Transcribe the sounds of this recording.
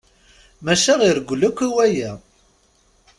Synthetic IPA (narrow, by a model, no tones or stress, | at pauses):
mæʃæʁiɾəɡʷlækʷːiwæjæ